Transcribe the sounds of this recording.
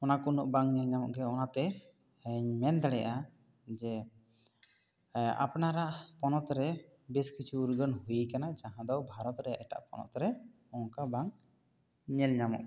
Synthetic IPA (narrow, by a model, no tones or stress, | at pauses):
ɔnakunɔʔbaŋɲɛlɲamɔʔɡɛɔnat̪ɛ | ɲmɛnd̪ɛɽɛʔa | d͡ʒɛ | a̰pnaɾaʔpɔnɔt̪ɾɛ | bɛskit͡ʃʰuːɾɡənɦujikanad͡ʒaɦãd̪ɔwbʱaɾɔt̪ɾɛʔɛʈa̰ʔpɔ̰nɔ̰t̪ɾɛ | ɔŋkabaŋ | ɲɛlɲamɔ̰ʔ